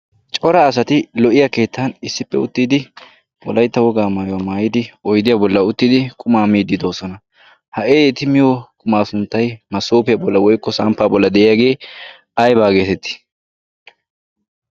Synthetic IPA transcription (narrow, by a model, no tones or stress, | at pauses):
t͡ʃʼɔɾɐːs̬ɐt̪ɪlɔʔɪjake̞ːt̪ːɐnɪsːɪpːɛʊt̪ːiːd̪ɪ | wɔ̰lɐjt̪ːɐwɔɡaːmaːjwɐmaːjɪd̪ɪɔjd̪ɪjabɔlːɐʊt̪ːɪːd̪ɪkʼʊmaːmiːd̪ːɪd̪o̞ːsɔnɐ | hɐʔeːet̪ɪmɪjokʼʊmaːsʊnt̪ːɐjmɐsoːpɪjɐbɔlːɐwɔjkːɔsɐmpːaːbɔlːɐd̪ɛʔɪjaːɡe̞ː | ɐjbaːɡe̞ːt̪ɛt̪ːɪ̥